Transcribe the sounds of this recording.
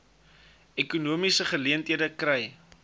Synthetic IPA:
ɛkunuəmisəχəliəntɦiədəkrɛj

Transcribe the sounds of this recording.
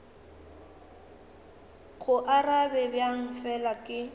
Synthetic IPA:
ɣʊʔarabɛbjaŋ̩fɛlakʼɪ

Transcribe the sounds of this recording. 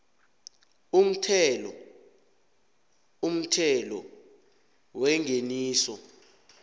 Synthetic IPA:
um̩tʰɛlɔ | um̩tʰɛlɔ | wɛŋʱeniːsɔ

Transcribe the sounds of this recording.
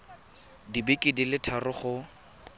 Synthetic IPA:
dibɪkʼɪdilɪtʰarʊχʊ

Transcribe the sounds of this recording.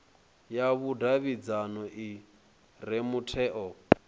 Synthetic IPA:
jaβudaβid͡zanɔʔi | ɾemutʰɛːʔɔ

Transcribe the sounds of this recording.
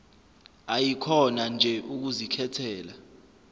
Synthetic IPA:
ajikʰɔnand͡ʒʱɛʔuk̬uzikʰɛtʰɛːla

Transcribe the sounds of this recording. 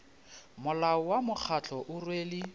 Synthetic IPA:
mʊlaʊwamʊk͡xʰat͡ɬʰɔʔʊrweːlɪ

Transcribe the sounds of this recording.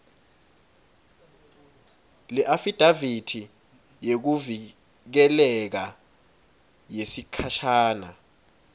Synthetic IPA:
lɛʔafid̥ʱavitʰi | jek̬uvi | k̬ɛlɛk̬a | jesikʰaʃaːna̰

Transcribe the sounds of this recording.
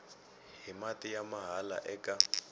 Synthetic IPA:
ɦimatʼijamaɦala̰ʔɛkʼa

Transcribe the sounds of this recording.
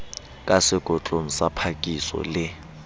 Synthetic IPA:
kʼasɪɡ̥ʱɔt͡ɬʼoŋ̩sapʰakʼisɔ̰lɪ

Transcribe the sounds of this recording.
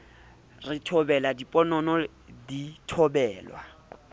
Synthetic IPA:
rɪtʰɔbɛladipʼɔnɔnɔ | ditʰɔbɛːlwa

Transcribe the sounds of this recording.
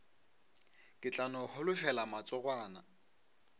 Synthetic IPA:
kʼɪt͡ɬʼanɔhʊlʊʃɛlamat͡sʼɔɣwaːna

